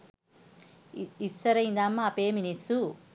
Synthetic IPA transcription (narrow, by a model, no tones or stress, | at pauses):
isːɐɾɐjind̪aːmːaːpeːminisu